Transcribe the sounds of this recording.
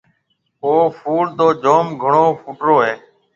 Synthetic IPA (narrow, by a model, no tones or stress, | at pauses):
oːfuːld̪oːd͡ʒoːmɡʱəɳoːfuːʈɾoːɦeː